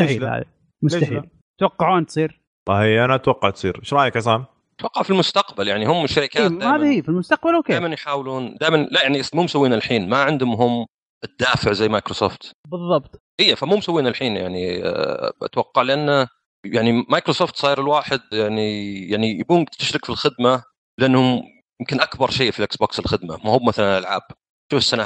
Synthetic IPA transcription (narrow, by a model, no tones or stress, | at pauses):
aħiːha̰ː | mʊet̪aħḭl | t̪wɑqːɑʕuːnt̪sˤiːɾ | ahijʔanaat̪wɑqːɑʕt̪sˤḭːɾʃɾˤɑːjakasaːm | t̪wɑqːɑʕfilmʊst̪aqbaljaʕnihʊmːɪʃːaɾɪkaːt̪aːhaːðahiːfilmʊst̪aq̚balokeːjmanjħaːwluːnd̪aːjmanlajaʕniʔasmuːmsawːiːnɪlħiːnmaʕɪnd̪ʊmɦʊm | ʔɪd̪̥ːaːfɪʕzajːmajkɾoso̰ːft̪bɨðˤːɑbt̪ˤʔijːafamuːmsawːiːnalħiːnja̰ʕnḭ | ʔa̰t̪wɑqːɑʕlɪʔanːa | jaʕnimajkɾosoːft̪sˤɑːɾɪlwaːħɪd̪̚jaʕnijaʕnijabuːnt̪ːɪʃɾɪkfilxɪd̪ma | lɪʔanːhʊm | jɪmkɪnʔakbɑɾˤʃeːfilʔɪksboːksɪlxɪd̪ma̰mahʊmːmaθalanʔalʕaːb̥̚ | ʃuːfɪsːana